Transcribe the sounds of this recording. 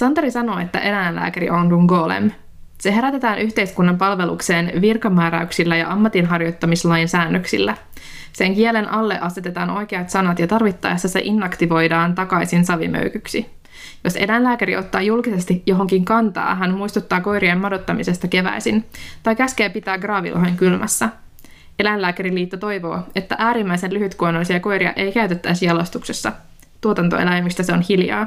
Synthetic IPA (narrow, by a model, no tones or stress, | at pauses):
sɑnt̪ɑɾisɑno̞ːet̪ːæ̰ʔe̞ɾæjnlæ̰ːkæɾḭʔonduŋɡo̞ːlḛm | se̞ɦe̞ɾæt̪e̞t̪æːnʔyçt̪ejskunːɑmpɑlʋe̞lṵkse̞ːnʋirkɑmæːɾæyksilːæjɑ̰ʔɑmːɑt̪inɦɑrjo̞jt̪ːɑmislɑjinsæːnːøksḭlːæ | se̞ŋkielenʔɑlːe̞̰ʔɑset̪e̞t̪ɑːno̞jkeɑt̪sɑnɑt̪jɑt̪ɑrʋit̪ːɑ̰ːesːæsḛʔinːɑkt̪iʋo̞jdɑːnt̪ɑkɑjsinsɑʋḭmø̰ykyksi | jo̞se̞læjnlæːkæɾio̞t̪ːɑːjulkise̞st̪ijo̞ɦo̞ŋkiŋkɑnt̪ɑ̰ːɦænmujst̪ut̪ːɑːko̞jɾiɑmmɑdo̞t̪ːɑmise̞st̪ɑke̞ʋæ̰jsint̪ɑjkæskeːpit̪æːɡrɑːʋḭlɦojŋkylmʔæ̰sːæ | e̞lælæːkæɾiliːt̪ːɑt̪o̞jʋo̞̰ːe̞t̪ːæʔæːɾimːæisenlyɦyt̪kuonolːisiɑko̞jɾiɑ̰ʔe̞jkæyt̪et̪ːæisjɑlost̪uksesːɑ̰ | t̪uot̪ɑnt̪o̞̰elæjmist̪æseo̞nhiljɑ̰ː